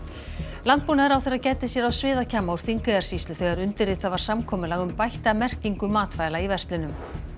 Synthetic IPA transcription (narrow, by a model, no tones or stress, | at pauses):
lant̪̚puːnaɛɾawθeɾaðcɛːjt̪ɪsjɛɾawsvɪːðacʰaːmauɾ̥θiŋkðaɾ̥sist̪ʏθɛɣaɾʏnt̪ɪrɪt̪θaðvaɾ̥samkʰɔːmʏlaːɣʏmpajht̪amɛr̥ciŋkʏmaːt̪faːjlaivɛr̥st̪lʏnʏm